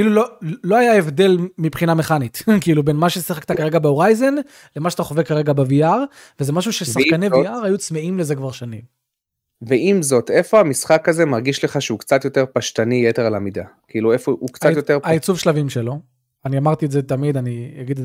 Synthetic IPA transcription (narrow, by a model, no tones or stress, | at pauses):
kkiilulolo̞ajae̞vd̪e̞lmipχinameχanitkiilubenmaʃesiχakt̪akaʁe̞ɡabeo̞ʁajzo̞n | lemaʃat̪aχovekːaʁeɡabeviaʁ | vezemaʃ̬uʃesaχkanejviaʁajut͡smeimlezekvaʁʃanim | veʔimzo̞t̪efo̞amisχakazemaʁɡiʃleχaʃeukt͡sat̪jo̞t̪eʁpaʃtanijeteʁalamid̪akiiːluefoʔukt͡sajo̞teʁait͡suvʃlavimʃelo̞ | aniamaʁt̪ietzet̪amid̪anijaɡid̪